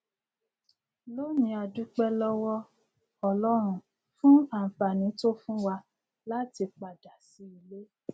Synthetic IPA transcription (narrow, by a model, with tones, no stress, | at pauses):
lo˦nĩ˧a˧du˦k͡pɛ˦lɔ˦wɔ˦ | ɔ˧lɔ˦ɾ̃ũ˦˨ | fũ˦a˦˨fa˨nĩ˨˦to˦fũ˦wa˧ | la˦ti˧k͡pa˨da˨si˨˦i˧le˦